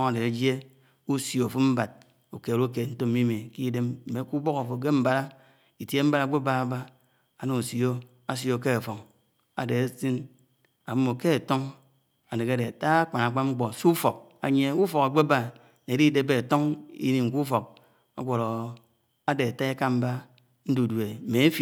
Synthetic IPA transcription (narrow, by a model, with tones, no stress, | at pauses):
a˨de˨e˨˦d͡ʒje˦ | u˦sjo˨fo˦m̩˦ba˨d̚ | u˨ke˨ɾu˦ke˨n̩˦to˦mː˦i˦mi˨ki˦de˦mm̩˨me˨˦ku˦bo˦ka˨fo˨ɡe˦m̩˦ba˦ɾa˦ | i˨tje˦m̩˦ba˦ɾa˨˦ɡ͡be˦ba˦a˦ba˦ | a˨no˨u˨sjo˦ | a˦s̬jo˨ke˦a˨fo˨ŋ | a̰˨de˨e˦si˦n | a˨m˦mːo˨ke˦a˨to˦ŋ | a˨ne˨ka˦de˨a˨ta˦k͡pa˨na˨k͡pa˦ŋ͡m̩˦k͡po˨su˦fo˨k̚ | a˨ɲe˦u˦fo˨ka˨ɡ͡be˦ba˦ | ne˨di˦de˦be˦˨to˦ŋḭ˦ni˨ŋ̩˨ku˦fo˨k̚ | a̰˦ɡʷo˨ɾo˨ | a˦de˨a˨ta˦e˦ka˦m̩˦ba˦ | n̩˦du˨dwe˨me˨e˦fi˨